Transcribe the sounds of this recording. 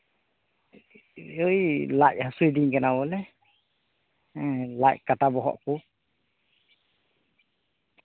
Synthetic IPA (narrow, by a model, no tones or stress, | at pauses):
ɯjlaʔ̚hasujd̪iŋkɛnawɔlɛ | lackatabɔɦɔ̰ʔku